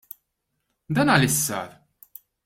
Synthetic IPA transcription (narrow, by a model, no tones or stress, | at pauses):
d̪ɐːnɐlɪsːɐ̰ːɾ